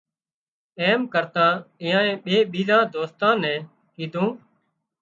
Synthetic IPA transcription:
eːmkəɾt̪ãːɪ̃ːãːẽːɓeːɓiːzãːd̪oːst̪ãːnɛ̃ː | kiːd̪ʱũː

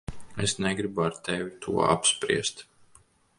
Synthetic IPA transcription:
esnɛɡɾibaɾt̪evit̪ʰuɔa̰pspɾḭɛst̪

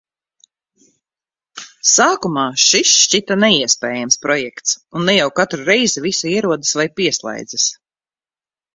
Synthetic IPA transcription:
saːkumaːʃist͡ʃit̪anɛiɛspɛːjamspɾɔjɛkt̪sunːɛjawkat̪ɾuɾɛjzivisaiɛɾuɔd̪asvajpiɛslˠɛ̰jd̪zas

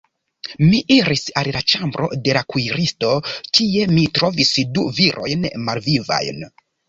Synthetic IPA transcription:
miʔiɾisallat͡ʃambɾo̞̰de̞lakujɾisto̞kʰie̞mitɾo̞visdṵviɾʔo̞̰jnmalviva̰jn

